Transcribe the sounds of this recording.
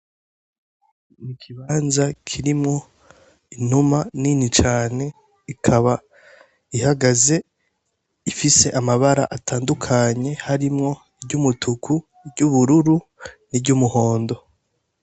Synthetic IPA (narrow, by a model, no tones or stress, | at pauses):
nikʰiβaːnzakʰiɾimŋo̞ | inumaninit͡ʃaːne̞ | ikʰaβa | ihaɡaze̞ | ifise̞ʔamaβaɾa̰ʔataːndukʰaɲe̞haɾimŋo̞ | bɟumutʰukʰu | bɟuβuɾuɾu | nibɟumuho̞ːndo̞